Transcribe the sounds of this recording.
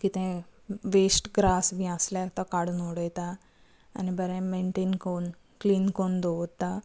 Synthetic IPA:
kit̪ɛ̃ʋesʈɡɾasbʱĩãslat̪akaɽunoɽɛjt̪a̰ː | nibəɾɛ̃meɳʈeːnkon | kliːnkond̪oʋt̪ːa

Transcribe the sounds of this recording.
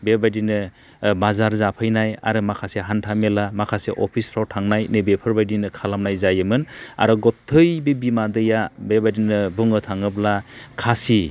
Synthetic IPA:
bebajdinɯ | bazaɾzapʰɯjnaja̰ɾɯmakʰaseɦantʰamelamakʰaseʔoɔ̰pʰisʰɾawtʰaŋnajnebepʰɯɾbajdinɯkʰalamnajzajɯmɯna̰ɾɯɡɔtʰːɯjbebimadɯjabebajdinɯbɯŋɯtʰaŋɯblakʰasi

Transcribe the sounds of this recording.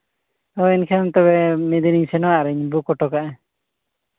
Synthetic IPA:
ɔinkʰɛant̪ɔbɛmɛd̪iniɲsɛnɔwaʔɾɛɲbukɔʈɔkaʔɛ

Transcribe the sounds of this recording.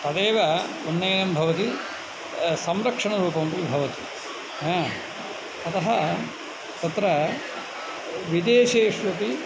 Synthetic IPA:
t̪ɐd̪eːʋɐ | unːɐjnɐmbʱɐʋɐt̪i | sɐmɾɐkʂɐɳɐɾuːpɐmpibʱɐʋɐt̪i | ɦã | ɐt̪ɐɦɐ | t̪ɐt̪ɾɐ | ʋid̪eːʂeːʂʋɐpi

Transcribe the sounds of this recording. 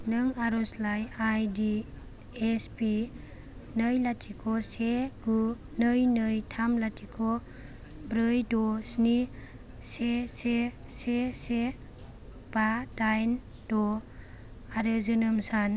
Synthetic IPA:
nɯŋaɾɔslajajdi | espi | nɯjlatʰikʰɔseɡu | nɯjnɯjtʰamlatʰikʰɔ | bɾɯjdɔsni | sesesese | b̥adajn | dɔ | aɾezɯnɯmsan

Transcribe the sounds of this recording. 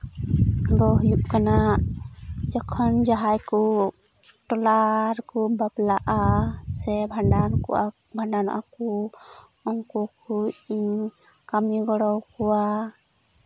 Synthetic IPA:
d̪ɔɦujuʔkana | d͡ʒɔkʰɔnd͡ʒaɦajkɔ | ʈɔlaɾkɔbablaʔasɛbʱaɖanka | bʱaɳɖana̰ʔakɔ | ɔŋkɔkʰujiɲ | kamiɡɔɽɔwkɔwa

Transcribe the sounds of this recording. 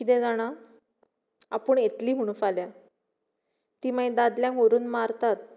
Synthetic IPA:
kit̪ẽd͡zaɽ̃a | apəɳjet̪liːmuɽ̃ufalja | t̪iːmaid̪ad̪ljãŋkʋoɾuːnmaɾt̪at̪

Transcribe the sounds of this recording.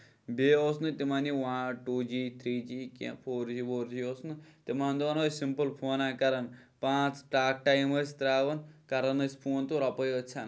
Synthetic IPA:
beːosnɨt̪imaniʋaʈuːd͡ʒiːt̪ʰɾiːd͡ʒiːkḛ̃pʰoːɾd͡ʒiːboːɾd͡ʒioːsnɨt̪imaːnd̪oːnosimpəlpʰoːnaːkɐɾɐnpãːt͡sʈaːk̚ʈajməsʲt̪ɾaːʋɐnkɐɾɐnɐsʲpʰuːnt̪uɾɐpəjət͡ʃʰan

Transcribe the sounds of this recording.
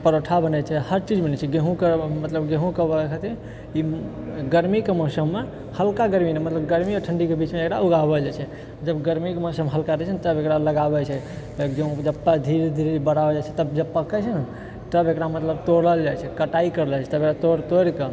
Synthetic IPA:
pəɾoʈʰabənɛt͡ʃʰɛhəɾt͡ʃid͡ʒmenɛt͡ʃʰɛɡeɦũkemət̪ləbɡẽɦũkəbəekʰat̪i | i | ɡəɾmikemɔsəmːe | həlkaɡəɾminemət̪ləbɡəɾmiɔʈʰəɳɖikebit͡ʃmeekɾauɡabəd͡ʒajt͡ʃʰɛ | d͡ʒəbɡəɾmikemosəmɦəlkaɾɛt͡ʃʰənt̪əbekɾaləɡabɛt͡ʃʰɛ | t̪d͡ʒeũd͡ʒəbpːad̪ʱiɾd̪ʱiɾibəɽabəd͡ʒajt͡ʃʰɛt̪əbd͡ʒəb̚pəkɛt͡ʃʰən | t̪əbekɾamət̪ləbt̪oɽəld͡ʒajt͡ʃʰɛkəʈaikəɾlɛt͡ʃʰɛt̪əbekɾat̪oɾt̪oɾke

